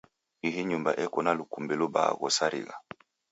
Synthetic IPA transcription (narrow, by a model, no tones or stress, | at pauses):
hiɦiɲumbaʔɛkɔnalukumbɛluba̰ɣɔsaɾḭɣa̰